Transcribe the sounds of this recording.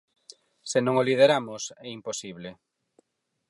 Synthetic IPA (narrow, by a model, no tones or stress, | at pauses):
senõŋoliðeɾamʊsɛimposiβle